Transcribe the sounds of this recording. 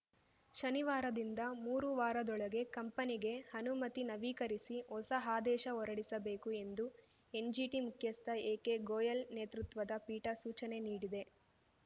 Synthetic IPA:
ʃɐniʋaːɾɐd̪ind̪ɐmuːɾuʋaːɾɐd̪ɔɭɐɡe̞kɐmpɐniɡe̞hɐnumɐt̪inɐʋiːkɐɾisiɔsɐɦaːd̪ɛːʃɐɔɾɐɽisɐbe̞ːkue̞nd̪u | e̞nd͡ʒiʈimukʰjɐst̪ʰɐeːke̞ɡoːjɐlneːt̪ɾut̪ʋɐd̪ɐpiːʈɐsuːt͡ʃɐne̞niːɽid̪e̞

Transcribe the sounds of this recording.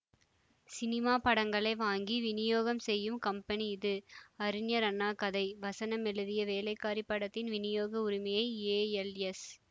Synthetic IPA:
sɪnɪmaːpɐɽɐŋɡɐɭɐɪʋaːŋɡiʋɪnɪjoːɣɐmsɛjːɯmkɐmpɐniɪðɯɐɾɪnjɐɾɐnːaːkɐðɐɪʋɐsɐnɐmɛɭɯðɪjɐʋeːlɐɪkːaːɾipːɐɽɐt̪ːɪnʋɪnɪjoːɣɐʊɾɪmɐjɐɪeːɛlɛs

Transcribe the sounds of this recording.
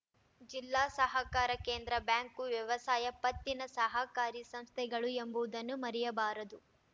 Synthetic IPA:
d͡ʒilːaːsɐɦɐkaːɾɐke̞ːnd̪ɾɐbjaːŋkuʋjɐʋɐsaːjɐpɐt̪ːinɐsɐɦɐkaːɾisɐmst̪ʰɛɡɐɭuembuʋud̪ɐnːumɐɾɛjɐbaːɾɐd̪u

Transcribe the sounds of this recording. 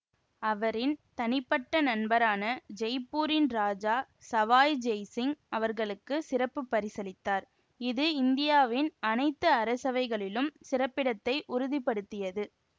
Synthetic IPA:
ɐʋɐɾɪnt̪ɐnɪpːɐʈːɐnɐnbɐɾaːnɐd͡ʒɛjpːuːɾɪnɾaːd͡ʒaː | sɐʋaːjd͡ʒɛjsɪŋɐʋɐɾɣɐɭɯkːɯsɪrɐpːɯpːɐɾɪsɐlɪt̪ːaːɾ | ɪðɯɪnd̪ɪjaːʋɪnɐnɐɪt̪ːɯɐɾɐsɐʋɐɪɣɐɭɪlɯmsɪrɐpːɪɽɐt̪ːɐɪʔʊɾʊðɪpːɐɽɯt̪ːɪjɐðɯ

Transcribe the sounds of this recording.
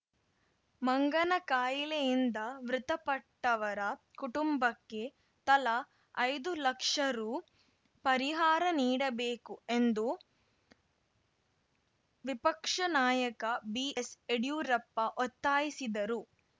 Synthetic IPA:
mɐŋɡɐnɐkaːjilejind̪ɐʋɾut̪ɐpɐʈːɐʋɐɾɐkuʈumbɐkːe̞ | t̪ɐlɐ | ɐjd̪ulɐkʂɐɾu | pɐɾiɦaːɾɐniːɽɐbeːkuend̪u | ʋipɐkʂɐnaːjɐkɐbieseɽjuːɾɐpːɐʔɔt̪ːaːjisid̪ɐɾu

